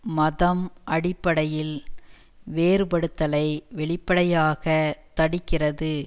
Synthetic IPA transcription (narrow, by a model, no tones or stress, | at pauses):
mɐðɐmʔɐɽɪpːɐɽɐjɪl | ʋeːɾɯpɐɽɯt̪ːɐlɐɪʋɛɭɪpːɐɽɐjaːɣɐt̪ɐɽɪkːɪrɐðɯ